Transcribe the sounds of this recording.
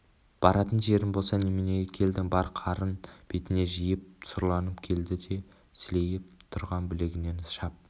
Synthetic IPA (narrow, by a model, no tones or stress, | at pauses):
b̥ɑɾɑt̪ənʒe̞ɾɪnbo̞lˠsɑnemɪneɡʲekʲʰe̞ld̪ɪŋbɑɾqʰɑɾənb̥e̞t̪ɪne̞ʒijɪp̚sʊɾlˠɑnəpkʲʰe̞ld̪ɪd̪e̞ | sɪle̞jɪp̚t̪ʰʊɾʁɑnbɪle̞ɡʲɪne̞nəsʃɑp̚